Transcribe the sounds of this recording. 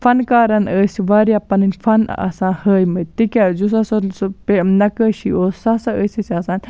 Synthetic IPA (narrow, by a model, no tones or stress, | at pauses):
fɐnkaːɾɐnəːsʲiʋaːɾjaːpɐnɐnʲfʰɐnɐ̰sãːhəːjmɐt̪ikʲazus̬ɐsɐspenɐkəːʃioːsɐsɐəːsʲɐsiɐsaːn